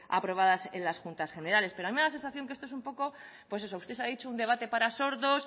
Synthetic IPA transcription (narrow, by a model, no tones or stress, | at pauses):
a̰pɾo̞β̞aðase̞̰nlasxunt̪asxe̞ne̞ɾale̞speɾoamimelase̞nsaθjoŋkeest̪oesumpo̞ko̞ | pwe̞se̞so̞ust̪esaðit͡ʃound̪e̞β̞at̪e̞paɾaso̞ɾðos